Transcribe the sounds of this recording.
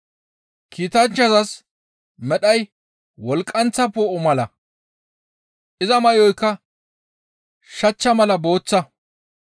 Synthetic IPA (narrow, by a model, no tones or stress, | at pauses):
kʰiːt̪ɐnt͡ʃːɐzɐs | mɛɗɐj | wɔlkʼːɐnt͡sːɐpoːʔɔmɐlɐ | ʔɪzɐmɐjɔjkːɐ | ʃɐt͡ʃːɐmɐlɐbo̞ːt͡sːɐ